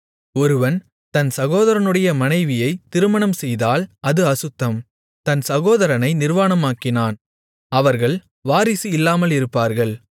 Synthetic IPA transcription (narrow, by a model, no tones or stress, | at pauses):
ɔɾɯʋɐn | t̪ɐnsɐɣoːðɐɾɐnɯɽɐjɐmɐnɐɪʋɪjɐɪt̪ɪɾɯmɐɳɐmsɛjðaːlɐðɯɐsɯt̪ːɐm | t̪ɐnsɐɣoːðɐɾɐnɐɪnɪɾʋaːnɐmaːkːɪnaːn | ɐʋɐɾɣɐɭ | ʋaːɾɪsiɪlːaːmɐlɪɾɯpːaːɾɣɐɭ